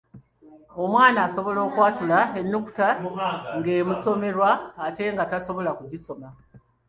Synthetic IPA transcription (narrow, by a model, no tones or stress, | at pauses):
o̞mwaːnaːso̞βo̞lo̞ːkwaːtulae̞nːuku̥taŋɡe̞ːmuso̞me̞ɾwaːte̞ŋɡataso̞βo̞lakuɟiso̞ma